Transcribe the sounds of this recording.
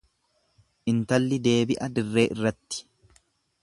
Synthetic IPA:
ʔɪnt̪ɐlːɪd̪e̞ːbɪʔɐd̪ɪrːe̞ːʔɪrːɐt̪ːɪ̥

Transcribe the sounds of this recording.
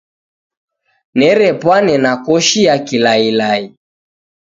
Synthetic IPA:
nɛɾɛpwanɛnakɔʃijakilailai

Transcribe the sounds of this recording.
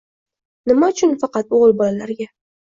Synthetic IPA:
nɪmaʊt͡ʃʰʊnfɑqɑt̪̚oʁɨlˠbɒlalaɾɡʲa

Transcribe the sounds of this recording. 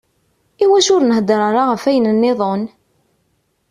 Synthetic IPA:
iwæʃʊɾnəhd̪ɾˤɑɾˤaʁəfæjənənːɪðˤon

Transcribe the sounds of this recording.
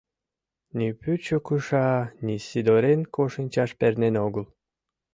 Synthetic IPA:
nʲipyt͡ɕokɯʃɑnʲisʲid̪oɾenkoʃənʲt͡ɕɑʃpernenoɡəlˠ

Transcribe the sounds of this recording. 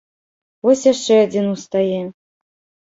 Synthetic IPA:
vɔsʲjaʂt͡ʂɛad͡zʲinust̪ajɛ

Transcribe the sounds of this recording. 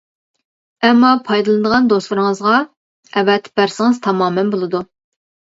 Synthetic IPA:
ɛmːɑpʰɑjd̪ɨlˠɨnɨd̪əʁɑnd̪oslˠɨɾɨŋəzʁɑ | ɛvɛt̪b̥æɾsɪŋɨzt̪ʰɑmɑːmɛnbolˠɨd̪u

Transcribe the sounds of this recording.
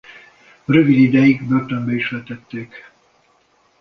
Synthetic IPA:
ɾøvid̪id̪ɛjiɡbørt̪ømbɛiʃʋɛt̪ɛt̪ːeːk

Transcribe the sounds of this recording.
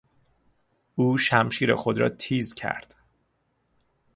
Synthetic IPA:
uːʃæmʃiːɾḛxo̞d̪ɾɒ̰ːt̪ʰiːzcʰæ̰ɾd̪̥

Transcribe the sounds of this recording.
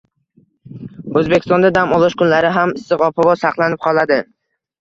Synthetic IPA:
ɵzbekʲʰɪst̪ɒ̃nd̪ad̪amɒlˠɒʃkʰʊnlaɾɪɦamɪsɨqɒpʰavɒsɑqlˠanɪp̚qʰɒlˠad̪ɪ

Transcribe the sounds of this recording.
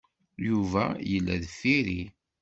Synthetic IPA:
juvæjəlːæðəfːiɾi

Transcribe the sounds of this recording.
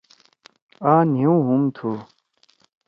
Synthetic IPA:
aːniũɦumt̪ʰu

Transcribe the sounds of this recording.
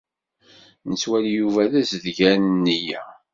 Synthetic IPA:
nəswæljuvæðæzəðɡænənːijæ

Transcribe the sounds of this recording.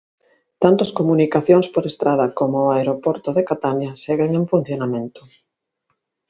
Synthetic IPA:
t̪ant̪ɐskomunikaθjoŋspoɾest̪ɾað̞ɐkomoːaeɾopoɾt̪oðekat̪anaseɣeŋeɱfun̟θjonamẽnt̪ʊ̥

